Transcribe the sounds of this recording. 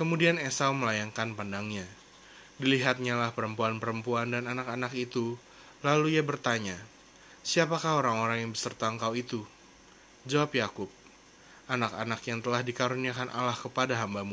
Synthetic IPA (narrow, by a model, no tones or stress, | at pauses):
kəmudianesauməlajaŋkanpandaŋɲa | diliɦat̪̚ɲalahpəɾəmpuanpəɾəmpuandananakanakit̪u | laluiabərt̪aɲa | siapakahoɾaŋoɾaŋjaŋbəsərt̪aŋkawit̪u | d͡ʒawapjakʊp̚ | ʔanakanakjaŋt̪əlahdikaɾuniakanʔa̰lahkəpadaɦambamu